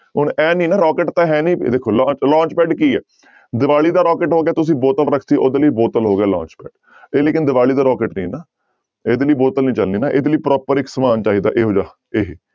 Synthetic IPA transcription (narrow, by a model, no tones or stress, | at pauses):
ɦʊnɛːnĩːnaːɾɔːkeːʈt̪ãːɦɛːnĩːd̪eːkʰːoːlãːt͡ʃlãːt͡ʃpɛːɖkiːɛ̰ː | d̪ɪʋaːɭiːd̪aːɾɔːkeːʈɦoːɡeaːt̪ʊs̬ĩːboːt̪əlɾəkʰt̪iːʔoːd̪eːləiːboːt̪əlɦoːɡaːlã̰ːt͡ʃpɛ̰ːɖ | eːleːkɪnd̪ɪʋaːɭiːd̪aːɾɔːkeːʈnḭ̃ːnaː | eːd̪eləiːboːt̪əlnĩːt͡ʃəlniːnaːʔeːd̪eliːpɾɔːpəɾɪksəmaːnt͡ʃaːiːd̪a̰ːʔeːɦoːd͡ʒaː | eːɦiː